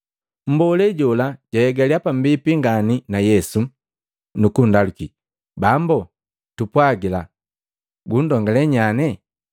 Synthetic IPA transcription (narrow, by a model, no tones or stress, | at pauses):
m̩bɔlɛɟɔlaɟajɛɡaliapam̩bipiŋɡaninajɛsu | nukundaluki | bambɔ | tupwaɡila | ɡun̩dɔŋɡalɛɲanɛ